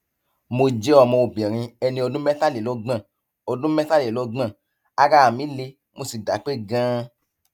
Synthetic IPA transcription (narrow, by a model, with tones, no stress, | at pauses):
mo˧d͡ʒe˦ɔ˦˨mɔ̃˧o˨bĩ˨ɾ̃ĩ˧ɛ˧nĩ˧o˧dũ˦mɛ˦ta˦le˨lo˦ɡ͡bã˦˨ | o˧dũ˦mɛ˦ta˦le˨lo˦ɡ͡bã˦˨ | a˦ɾa˦a˨mĩ˦le˧ | mo˧si˨da˨˦k͡pe˦˨ɡã˦